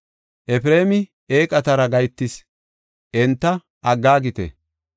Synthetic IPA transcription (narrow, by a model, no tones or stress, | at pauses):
ʔɛfɾe̞ːmɪ | eːkʼɐt̪ɐɾɐɡɐjt̪ːɪs | ʔɛnt̪ːɐ | ʔɐɡːaːɡɪt̪ɛ̰